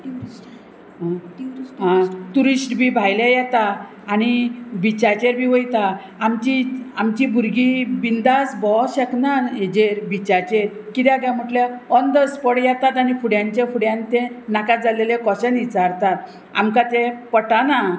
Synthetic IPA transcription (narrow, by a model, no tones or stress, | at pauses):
ɦaɦãt̪uɾisʈbʱibʱajlãjɛt̪aː | ñibit͡ɕat͡ɕeɾbʱiːʋəjt̪aː | mt͡ɕiamt͡ɕibʱuɾɡibind̪asbɔɕɛknaɾed͡ʑeɾbit͡ɕat͡ɕeɾkit̪jaɡjam̤əʈljaɔnd̪əspɔɽjɛt̪at̪añifʰuɽjãɲt͡ɕefuɽjãnt̪ẽnakat̪̚d͡zalelekɔɕɛ̃nit͡saɾt̪at̪̚ | a̰mkat̪epəʈana